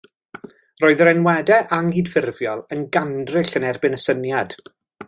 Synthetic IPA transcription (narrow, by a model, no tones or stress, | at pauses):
roːɨðəɾɛnwɛdɛʔaŋiːd̥fɪrvjɔlˠənɡandrɪɬənɛrbɪnəsənjad̥